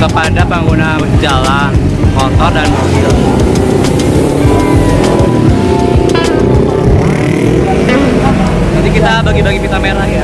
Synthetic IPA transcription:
kəpandapaŋɡuna | d͡ʒalan | kɔt̪ɔdanbukil | d͡ʒadikit̪abaɡibaɡipit̪ameɾahja

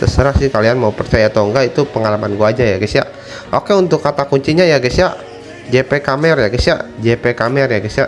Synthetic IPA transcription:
t̪ə̰səɾahsɪhkalianmaupərt͡ʃajat̪oŋɡait̪upəŋalamanɡuad͡ʒajaɡəsiaʔ | ʔokɛunt̪ʊkːat̪akuɲt͡ʃiɲajaɡəsjaʔ | d͡ʒepekamɛrjaɡəsia̰ʔd͡ʒepekamɛrjaɡəsiaʔ

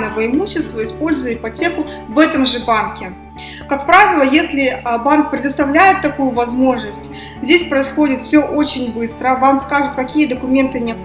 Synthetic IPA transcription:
nəvəəɪmuɕːɪst̪vəɪspo̞lʲzʊjəɪpɐtʲe̞kʊ | vɛt̪əmʐɨbankʲɪ | kakpɾavʲɪlˠəjesʲlʲɪbank̚pɾʲɪd̪əst̪ɐvlʲæjɪt̪ːɐkujʊvɐzmo̞ʐnəsʲtʲ | zʲdʲesʲpɾəɪsxo̞dʲɪt̪fsʲɵʔo̞t͡ɕɪnʲbɨst̪ɾəvamkskaʐɨt̪̚kɐkʲijəd̪əkʊmʲe̞nt̪ɨnʲɪɐ

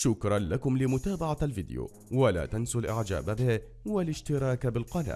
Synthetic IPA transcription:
ʃʊkɾˤɑnlakʊmlɪmʊt̪aːbaʕalfɪd̪ɪjṵː | wala̰ːt̪ansʊlʔɪʕd͡ʒa̰ːbabɪh | walɪʃt̪ɪɾˤɑːkbɪlqɑna̰ː

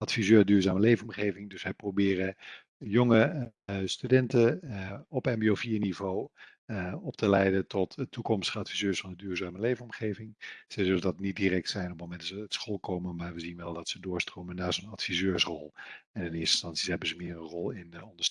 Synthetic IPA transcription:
ɑtfizøːdyːɹzaːməlejvənɔmχejvɪŋdɵsʋɛjprowbɪːrə | jɔŋəstydɛntəɔpɛmbiofiːɹnivow | ɔptəlɛjdətɔtətːukɔmstəχəɑtfizøːɹsfɑnədyːɹzaːməlejvənɔmχejvɪŋz̥ɛjzɵləndɑtnit̚dirɛk̚tsɛjnɔp̚momɛndɑsəːtsχɔlˠkowməmaːɹʋəzinʋɛlˠdɑtsədʊːɹstrowmənːaːzonɑtfizøːɹsrɔlˠɛnɪnɪːstɪ̥stɑnsiɦɛbəzəmɪːrənrɔlˠɪnɔndə

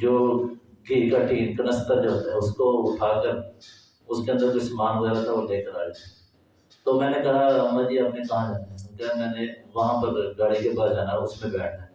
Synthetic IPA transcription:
d͡ʒoːɡʱiːɾkaʈiːnkɐnəst̪ad͡ʒoːt̪ɛʊskoʊʈʰaːkəɾ | ʊskeə̃nd̪əɾkʊsmaːnɡɛːɾat̪ʰaʋoleːkəɾaːɾeɛ | t̪omɛ̃ːnekɐɦaɾɐmːad͡ʒiːɦɐpnekɐɦãd͡ʒãkɐɦamɛ̃ːneʋɐɦãpɐɾɡaːɽikebaːd̪d͡ʒaːnaʊsmẽbɛːʈʰa

